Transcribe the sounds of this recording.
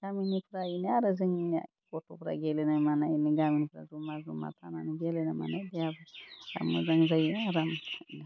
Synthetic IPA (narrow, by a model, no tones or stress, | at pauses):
ɡaminifɾajiniaɾaziŋa̰ | kotofɾa̰ɡɛlɛnamanainiɡaminfɾa̰zumazuma̰t̪ʰananiɡɛlɛnama̰nadiavaa̰mːa̰zaŋzajinaɾamn